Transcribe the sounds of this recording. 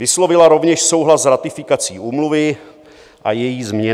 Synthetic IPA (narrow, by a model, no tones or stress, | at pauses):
vɪslo̞vɪlaɾo̞vɲɛʃso̞wɦlaszɾat̪ɪfɪkat͡siːʔuːmluvɪ | ʔajɛjiːzmɲɛ